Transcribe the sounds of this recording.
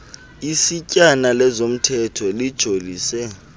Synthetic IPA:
isicʼanalɛzom̩tʰɛtʰɔlid̥ʒ̥ʱoliːsɛ

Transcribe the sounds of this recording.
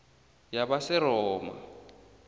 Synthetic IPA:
jabasɪɾɔːma̰

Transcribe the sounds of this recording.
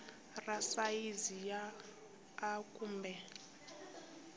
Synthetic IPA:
rasaizijaː | kʼumbɛ

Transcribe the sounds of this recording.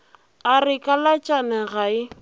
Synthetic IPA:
arɪkʼalat͡ʃʼanɛɣaɪ

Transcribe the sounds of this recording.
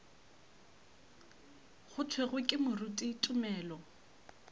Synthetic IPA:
χʊt͡sʰweɣwekʼɪmʊrutʼitʼʊmɛːlɔ

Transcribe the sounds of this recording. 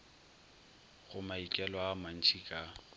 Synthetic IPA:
ɣʊmaikʼɛlaːman̩t͡ʃʰʼikʼa

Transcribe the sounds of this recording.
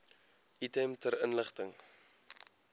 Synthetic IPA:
ʔitɛmtəɾənləχtəŋ

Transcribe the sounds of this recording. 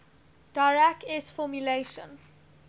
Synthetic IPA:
d̥aɹɛkɛsfɔmjuleʃə̰̃n

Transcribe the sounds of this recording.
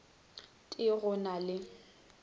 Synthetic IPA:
tʼɪɣʊnalɪ

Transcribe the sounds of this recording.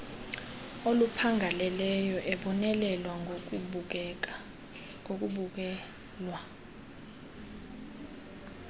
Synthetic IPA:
olupʰaŋɡʱalɛlɛjɔʔɛɓɔnɛlɛlwa | ok̬ʼuɓɛ | lwa

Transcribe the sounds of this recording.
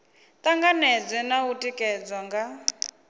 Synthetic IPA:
t̪ʼaŋɡanɛd͡zɛnautʼikʼɛd͡zwaŋɡa

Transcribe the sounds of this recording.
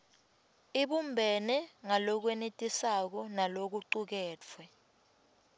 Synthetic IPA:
iɓumbʱɛnɛŋalɔk̬wɛnetʼisak̬ɔnalok̬uǀuk̬ɛːt͡fʰwɛ

